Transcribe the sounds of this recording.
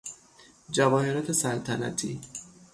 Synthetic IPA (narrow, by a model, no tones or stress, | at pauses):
d͡ʒævɒːhe̞ɾɒːt̪ʰe̞sælt̪ʰænæ̰t̪ʰiː